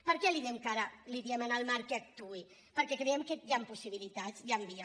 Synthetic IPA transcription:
pəɾkɛliðimkaɾaliðiemənəlˠmaɾkek̚t̪ui | pəɾkɛkɾɛemkejampusiβ̞ilit̪aziambia

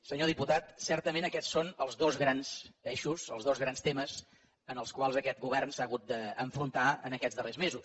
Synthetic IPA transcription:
səɲoð̞iput̪at̪sɛrt̪əmenəkɛssonəlˠzðozɣɾanseʃusə̰lˠzðozɣɾanst̪eməz | ənəlˠskwalˠzəkɛt̪̚ɡuβ̞ɛrnsaəɣut̪̚d̪əəɱfɾunt̪aə̰nəkɛd͡zzðərezmezus

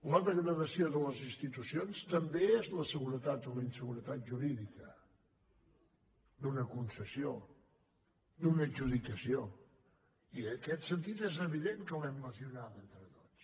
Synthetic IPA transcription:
ləðəɣɾəðəsioðələzinst̪it̪usionst̪əmbeezləsəɣuɾət̪at̪̚ələinsəɣuɾət̪at̪̚ʒuɾiðikə | d̪unəkunsəsio | d̪unəʒuðikəsio | inəkɛt̪sənt̪it̪ezəβiðeŋkəlɛmləziunat̪ent̪ɾət̪o̥t͡s

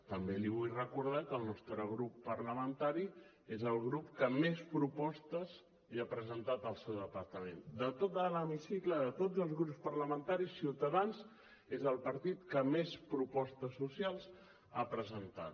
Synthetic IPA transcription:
t̪əmbeliβ̞ujrəkuɾð̞akəlˠnɔst̪ɾəɣ̞ɾupːəɾləmənt̪aɾi | ezəlˠɣɾupkəmespɾupɔst̪əz | iapɾəzənt̪at̪əlˠsewðəpəɾt̪əmend̪ət̪ot̪ələmisikləðət̪od͡zəlˠzɣɾupspəɾləmənt̪aɾisiwt̪əðanz | ezəlˠpəɾt̪it̪kəmespɾupɔst̪əsːusialˠz | apɾəzənt̪a̰t̪

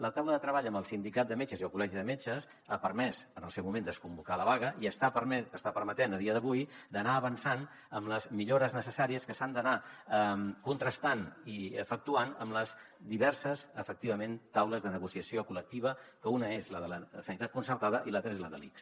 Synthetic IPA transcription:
lət̪awləðət̪ɾəβaʎəmbəlˠsind̪ikat̪̚d̪əmet͡ʃəziolkulɛʒiðəmet͡ʃəs | apəɾmɛzənəlˠsɛwmumẽnd̪əskumbukaləβaɣ̞əʔiəst̪apəɾəst̪apəɾmət̪enəðiəðəβujd̪ənaəβənsan | əmləzmiʎoɾəznəsəsaɾiəskəsand̪ənaəmkunt̪ɾəst̪aniə̰fək̚t̪uanəmləz | d̪iβɛɾsəzəfək̚t̪iβ̞əment̪awləzðənəɣusiəsiokulək̚t̪iβ̞əkəunəezləðələsənit̪at̪kunsərt̪aðəʔilat̪ɾezləðəliks

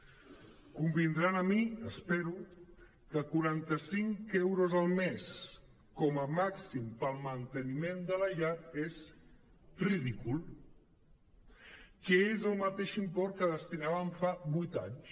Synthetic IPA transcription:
kumbind̪ɾanəmiəspɛɾu | kəkuɾant̪əsiŋkɛwɾozəlˠmes | kɔməmaksimpəlˠmənt̪ənimend̪ələʎat̪ez | riðikulˠ | kɛezəlˠmət̪eʃimpɔɾ̚kəðəst̪inaβəɱfaβujt̪a̰ɲs

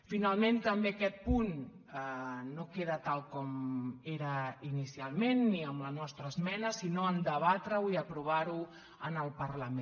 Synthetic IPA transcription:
finalˠment̪əmbeakɛt̪̚pun | nokeðət̪alˠkɔmeɾəinisialˠmenːiəmlənɔst̪ɾəːzmɛnəsinoənd̪əβat̪ɾəuiəpɾuβ̞aɾu | ənəlˠpərləmẽ

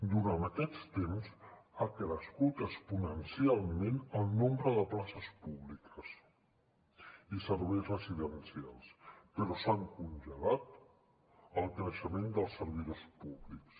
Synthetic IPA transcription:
d̪uɾant̪əkɛst̪emzakɾəskut̪əspunənsialˠmenəlˠnombɾəðəplasəspuβlikʰəs | isəɾβɛjzrəziðənsialˠspəɾɔsaŋkunʲʒəlat̪ | əlˠknəʃəmend̪əlˠsəɾβeuspuβliks

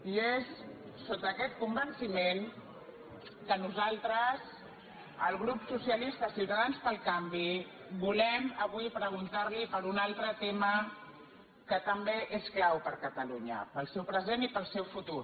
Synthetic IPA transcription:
iesː | ot̪əːkɛt̪̚kumbənsimen | kənuzalˠt̪ɾəz | əlˠɣɾupsusijəlist̪əsiwt̪əðanspəlˠkambi | bulɛməβ̞wipɾəɣ̞unt̪aɾlipəɾunalˠt̪ɾət̪emə | kət̪əmbeʔesklawpəɾkət̪əluɲə̰pəlˠsɛwpɾəzenipəlˠsɛwfut̪uɾ

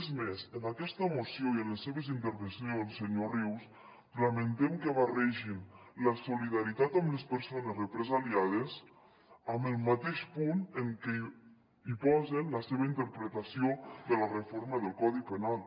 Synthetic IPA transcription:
zmezənakɛst̪əmosioiənləsːeβəzint̪əɾβənsjolˠsəɲoriws | ləmənt̪ɛmkəβarɛʒinləsuliðaɾit̪at̪əmləspəɾsonəzrəpɾəzaliaðəz | əməlˠmat̪eʃpunəŋkɛ | ipɔzənləseβəint̪əɾpɾət̪asioðələrəfoɾməðəlˠkɔðipənalˠ

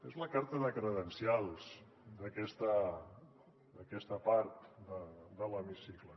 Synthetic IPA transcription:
ezləkaɾt̪əðəkɾəðənsialˠs | d̪əkɛst̪ə | d̪əkɛst̪əpaɾt̪d̪əd̪ələmisiklə

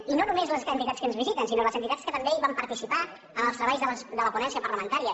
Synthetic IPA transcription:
inonumezləsənt̪it̪askənzβizit̪ənsinoləzənt̪it̪askət̪əmbeiβampəɾt̪isipa | əməlˠst̪ɾəβajzðələsd̪ələpunɛnsiəpəɾləmənt̪aɾiə

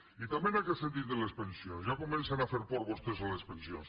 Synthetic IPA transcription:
it̪amenaket̪sent̪it̪elespensjonzʒakomẽnsanafeɾpoɾβost̪ezalespensjo̰ns

